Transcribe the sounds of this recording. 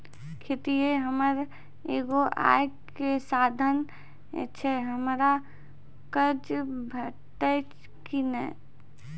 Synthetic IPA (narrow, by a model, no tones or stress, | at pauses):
kʰet̪iɦeɦəməɾ | eːɡoʔa̰ːj | kesaːd̪ʱən̰ | t͡ʃʰɛɦəmɾa | kəɾd͡ʒbʱəʈət͡ʃ | kinɛ̰ː